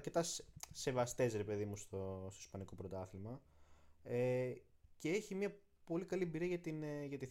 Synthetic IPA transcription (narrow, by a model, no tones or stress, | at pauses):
ɾke̞t̪ɐsse̞vɐst̪e̞zɾe̞pe̞ðimust̪ost̪o̞ispɐniko̞pɾot̪ɐθilmɐ | e | ceeçimɲɐ | po̞likɐliebiɾiɐʝɐt̪inʝɐt̪iθ